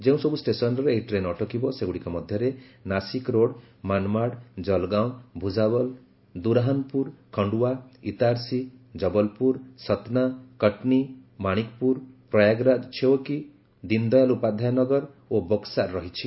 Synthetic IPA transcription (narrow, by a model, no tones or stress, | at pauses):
d͡ʒẽũsɔbusʈesɔnɔɾeejʈɾenɔʈʰɔkibɔseɡuɽikɔmɔd̪ʱjɔɾenasikɾoɽ | manmaɽd͡ʒɔlɡaw̃bʱud͡ʒabɔl | d̪uɾaɦɔnpuɾkʰɔɳɖuwait̪aɾsid͡ʒɔbɔlpuɾsɔt̪nakəʈnimaɽ̃ikpuɾpɾɔjaɡɾad̪t͡ʃʰewɔki | d̪ind̪ɔjalupad̪ʱajanɔɡɔɾ | obɔksaɾɾɔɦit͡ʃʰi